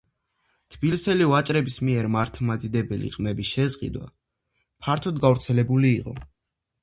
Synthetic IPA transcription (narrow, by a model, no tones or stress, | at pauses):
t̪ʰbilisɛlivat͡ʃʼɾɛbismiɛɾmaɾt̪ʰmad̪id̪ɛbɛlḭqʼmɛbisʃɛzʁʼḭd̪wa̰ | pʰaɾt̪ʰɔd̪ɡavɾt̪sʰɛlɛbuliːqʼɔ̰